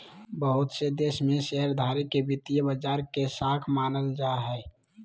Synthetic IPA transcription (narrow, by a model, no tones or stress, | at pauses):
bəɦʊt̪sed̪eːsmẽʃəɦəɾd̪ʱaːɾikːebɪt̪ijəbəd͡ʒaːɾkesaːkʰmaːnəld͡ʒaɦɛː